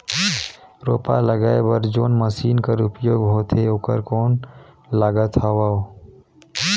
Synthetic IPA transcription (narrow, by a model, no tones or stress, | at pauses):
ɾoːpa̰ləɡaːebəɾd͡ʒoːnməsiːnkəɾʊpjoːɡɦoːt̪ʰeoːkəɾkoːn | laːɡət̪ɦaʋao